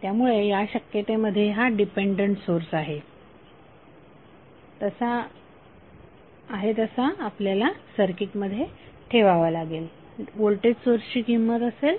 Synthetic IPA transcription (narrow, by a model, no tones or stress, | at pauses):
t̪jamuɭejaɕəkjet̪eməd̪ʱjeɦaɖipeɳɖəɳʈsoɾsaɦe | t̪əsa | ɦet̪əsaːpljalasəɾkiʈməd̪ʱːjeʈʰeʋaʋalaɡel | ʋoɭʈeɖsoɾst͡ɕiːɡʱimːət̪əsel